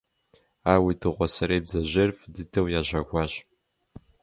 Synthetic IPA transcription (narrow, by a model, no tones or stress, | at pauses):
aːwidɨʁʷɔsɐɾeːbzɐʑɪrfdɨtʰɐwjaːʑʷɐɡʷɑːɕ